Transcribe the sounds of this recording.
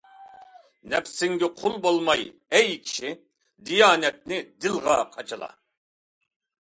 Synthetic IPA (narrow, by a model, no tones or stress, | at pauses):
nɛpsɪŋɡʲɪqʰʊlˠbolˠmɑj | ɛjkʲʰi̥ʃi | d̪ijɑːnɛt̪̚nɪd̪ɪlˠʁɑqʰɑt͡ʃʰɨlˠɑ̰